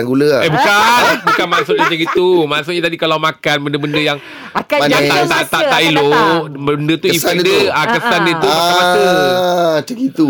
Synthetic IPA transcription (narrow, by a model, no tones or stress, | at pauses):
anɡuləebukanbukanmãsʊʔat͡ʃəɡit̪umãsʊʔ̚ɲat̪adikalamãkanbəndəbəndəjaŋ | akajaat̪aʔt̪aʔilobəndət̪uisdəakəsandət̪umakanmasə | t͡ʃəɡit̪u